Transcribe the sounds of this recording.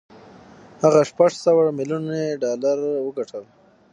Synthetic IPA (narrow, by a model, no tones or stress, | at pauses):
haɣaʂpaʐsawamɪljuneɖɑlaɾwəɡaʈʰəl